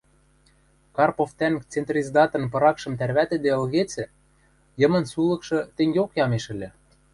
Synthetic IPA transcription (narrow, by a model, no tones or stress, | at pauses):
kɑrpoft̪ænt͡sent̪rʲizd̪ɑt̪ɤ̆npɤ̆ɾɑkʃɤ̆mt̪ærβæt̪ɘ̆d̪eə̆lɣet͡sɘ̆ | jɤ̆mɤ̆nsulɤ̆kʃɤ̆t̪eŋɡʲeokjɑmeʃɘ̆lʲɘ̆